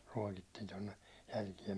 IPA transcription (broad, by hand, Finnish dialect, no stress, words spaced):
ruɒkitːiːn tonˑe jælkie